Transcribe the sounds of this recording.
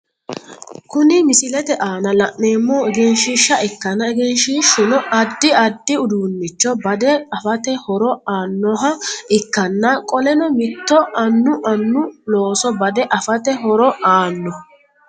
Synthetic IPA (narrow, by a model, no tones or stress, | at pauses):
kʊnɪmɪsɪlɛt̪ɛʔaːnɐlɐʔːeːmːɔːɛɡɛnʃɪʃːɐɪkːɐnɐɛɡɛnʃiːʃːʊnɔʔɐd̪ːɪɐd̪ːɪʊd̪uːnːɪt͡ʃːɔbɐd̪ɛɐfɐt̪ɛhɔɾɔaːnːɔɦɐɪkːɐnːɐkʼɔlɛnɔmɪt̪ːɔʔɐnːʊʔɐnːʊlo̞ːsɔbɐd̪ɛʔɐfɐt̪ɛɦɔɾɔaːnːɔ